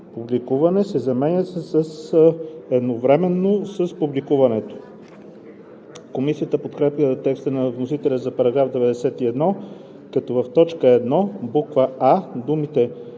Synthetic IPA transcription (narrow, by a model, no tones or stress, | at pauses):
publikuvɐnɛsɛzɐmɛɲʲəsɛsəs | ɛd̪novɾɛmɛnːosəspublikuvɐnɛt̪o̥ | komisijət̪əpot̪kɾɛpjət̪ɛkst̪ənɐvnosit̪ɛlʲəzɐpɐɾɐɡɾavd̪ɛvɛd̪ɛsɛt̪iɛd̪nɔ | kɐt̪ɔvɐft̪ɔt͡ʃkəɛd̪nɔbukvəad̪umit̪ɛ